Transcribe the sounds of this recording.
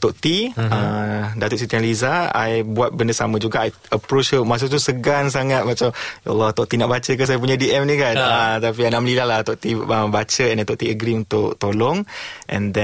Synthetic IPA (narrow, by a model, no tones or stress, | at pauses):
t̪oʔt̪iədat̪ʊʔsit̪uanlizaa̰jbuat̪̚bəndəsa̰mãd͡ʒuɡaʔaj | əpɾot͡ʃəmas̬ut̪usəɡans̬aŋat̪̚mat͡ʃamja̰lːɔt̪ɔʔ̚t̪inaʔbat͡ʃək̬as̬ajap̬uɲãdiʔɛmnikant̪ap̬ianaʔməlidahlaht̪ɔʔt̪iəbat͡ʃəɛnɛt̪ɔʔt̪iəɡɾiunt̪ʊʔt̪olɔŋʔɛ̰̃ndɛ̃